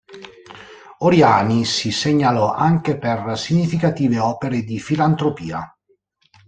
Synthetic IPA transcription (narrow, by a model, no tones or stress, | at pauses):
oɾjaːnisiseɲːalɔʔaŋkepersiɲːifikat̪iːveɔːpeɾed̪ifilant̪ɾopiːa̰